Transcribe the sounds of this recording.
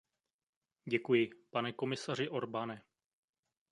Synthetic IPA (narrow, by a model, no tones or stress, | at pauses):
ɟɛkujɪpanɛko̞mɪsar̝ɪʔo̞ɾbanɛ